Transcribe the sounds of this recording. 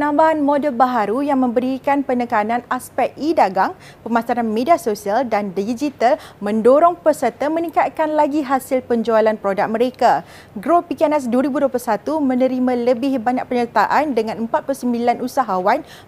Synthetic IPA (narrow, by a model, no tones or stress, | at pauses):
ənãmbaɦanmodəlbaɦaɾujaŋmə̃mbəɾikanpənəkanãnaspɛkidaɡaŋ | pəmasaɾanmẽdiasosialdandid͡ʒit̪almə̃ndoɾɔŋpəsərt̪əmə̃nikat̪̚kanlaɡiɦasɪlpəɲd͡ʒualanpɾodak̚mə̃ɾeka | ɡɾopikɛnɛs̬duəɾibuduəpulsat̪umə̃nə̃ɾimãləbɪhbaɲak̚pəɲət̪aʔandəŋãnəmpat̪̚puusəmbilanusaɦawan